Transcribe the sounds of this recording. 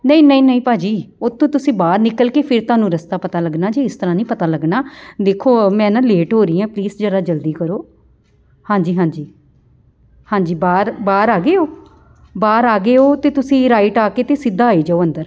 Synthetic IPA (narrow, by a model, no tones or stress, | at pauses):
nə̃ĩːnəĩːnəĩːpaːd͡ʒiːot̪ʰːõːt̪ʊsĩːbaːɾnɪkəlkeːpʰɪɾt̪ʊaːnũːɾəst̪aːpət̪aːləɡnaːd͡ʒeːɪst̪əɾãːnĩːpət̪aːləɡnaːd̪eːkʰːoːmɛ̃ːnãːleːʈɦoːɾiːãːpliːsd͡ʒəɽaːd͡ʒəld̪iːkəɾoː | hãːd͡ʒiːɦãːd͡ʒiː | hãːɲd͡ʒiːbaːɾbaːɾaːɡeːoː | baːɾaːɡeːoːt̪eːt̪ʊsĩːɾaːɪʈaːkeːt̪eːsɪd̪ːaːaːiːd͡ʒaːoːə̃nd̪əɾ